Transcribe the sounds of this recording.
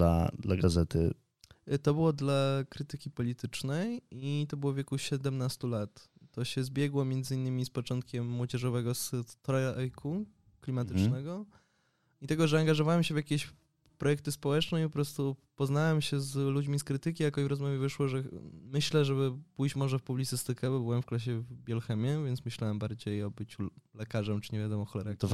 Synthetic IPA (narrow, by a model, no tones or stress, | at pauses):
la̰d̪la̰ɡazɛt̪ɘ̰ | t̪ɔbɘwɔd̪lakɾɘt̪ɘkʲipɔlʲit̪ɘt͡ʂnɛjit̪ɔbɘwɔvjeɛkuɕɛd̪ɛmnast̪ulat̪ːɔɕɛzbʲjɛɡwɔmʲjɛnd̪zɘinːɘmʲispɔt͡ʂɔnt̪̚kʲɛmːwɔd͡ʑɛʐɔvɛɡɔst̪ɾɔjʔɛjkʰu | klʲimat̪ɪt͡ʂnnɛɡɔ | it̪ɛɡɔʐɛaŋɡaʐɔvawɛmɕɛvʲjakʲeɕ | pɾɔjɛk̚t̪ɘspɔwɛt͡ʂnɛpɔpɾɔst̪upɔznawɛmɕɛzlud͡ʑmʲiskɾɘt̪ɘkʲijakɔivɾɔzmavʲjɛvɘʂwɔʐɛmɘɕlɛʐɛbɘpujt͡ɕmɔʐɛfpublʲit̪sɘst̪ɘkɛbɔbɘwɛmfklaɕ̬ɛvbʲjɛlxɛmʲjɛvʲjɛnsmɘɕlawɛmbaɾd͡ʑejɔbɘt͡ɕulɛkaʐɛmt͡ʂɘ̥ɲɛvjad̪ɔmɔxɔlɛɾa